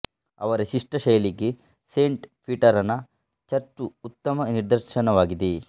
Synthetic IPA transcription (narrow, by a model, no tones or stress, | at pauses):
ɐ̰ʋɐɾeʃiʂʈɐʃɐjɐliɡe | seːɳʈpʰiʈɐɾɐnːɐ | t͡ʃɐɾt͡ʃuːt̪ːɐmɐniɾd̪ɐɾʃɐnɐʋaːɡid̪e